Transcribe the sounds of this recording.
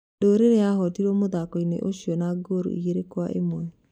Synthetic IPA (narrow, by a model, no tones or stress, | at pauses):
doːɾeɾeaɦɔtiɾɔmoðakɔinḛʔoɕiɔnaɡoɾo̰iɣeɾekwa̰ʔḛmwɛ